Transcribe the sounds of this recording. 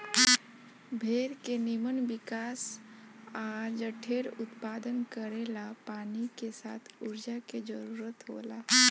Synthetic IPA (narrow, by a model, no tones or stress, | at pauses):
bʱeːɾkenɪmənʋɪkaːs | aːd͡ʒəʈʰeːɾʊt̪paːd̪ənkəɾeːlapaːnikesa̰ːt̪ʰʊɾd͡ʒaked͡ʒəɾuːɾət̪ɦo̰ːlaː